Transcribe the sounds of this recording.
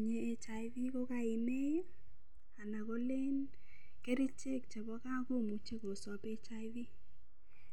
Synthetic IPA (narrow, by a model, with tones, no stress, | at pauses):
ɲe˦e˦t͡ʃa˨ɪ˦vi˦ko˦ka˦˨ɪ˨me˦j | a˨na˨ko˦le˦n | ke˦ɾi˦t͡ʃe˦˨k̚t͡ʃɛ˨bɔ˦ka˦ko˦˨mu˨t͡ʃe˦ko˨sɔ˨pe˦t͡ʃa˦vi˦